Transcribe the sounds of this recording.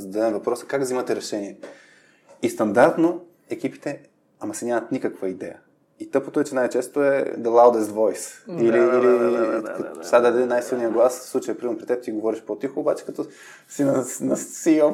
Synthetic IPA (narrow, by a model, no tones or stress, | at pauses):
zɐd̪ad̪ɛmvɐpɾɔsə̥kaɡvzimɐt̪ɛɾɛʃɛniɛ | ist̪ɐnd̪aɾt̪no | ɛk̟ipi̥t̪ɛ | ɐmɐsɛnʲamɐt̪nʲikəkvəid̪ɛ̰jə | it̪ɤpot̪oɛt͡ʃɛnajt͡ʃɛst̪oɛ̰d̪əlˠawd̪ɛst̪vɔjsiliili | sʲad̪ad̪ɛnajsilˠnijəɡlˠasslˠut͡ʃəjəpɾimɛɾnopɾit̪ɛb̚t̪iɡovɔɾiʃpot̪ixoːbat͡ʃɛ̥kɐt̪ɔ | sinnɐsiɔ